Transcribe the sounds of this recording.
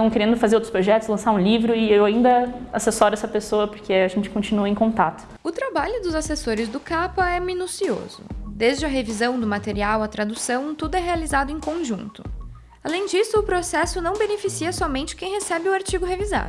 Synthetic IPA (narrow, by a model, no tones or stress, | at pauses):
ɐ̃w̃keɾẽnd̪ʊfazeɾowt̪ɾʊspɾoʒɛt̪ʊ̥slɐ̃saɾũlivɾʊɪewaĩnd̪ɐasesɔɾɛsɐpesoɐpʊɾkʰeaʒẽnt͡ʃɪ̥kõt͡ʃinuɐẽkõnt̪at̪ʊ̥ | ʊt̪ɾabaʎʊd̪ʊzasesoɾɪzd̪ʊkapɐɛminusio̰zʊ̰d̪ezd͡ʒɪɐɦevizɐ̃w̃d̪ʊmat̪eɾiawɐt̪ɾad̪usɐ̃w̃t̪ud̪ʊɛɦealizad̪ʊẽkõʒṵ̃nt̪ʊ̥ | alẽj̃d͡ʒisʊːpɾosɛsʊnɐ̃w̃benefisiɐsɔmẽnt͡ʃɪ̥kẽj̃ɦesɛbɪʊaɾt͡ʃiɡʊɦeviza̰d̪ʊ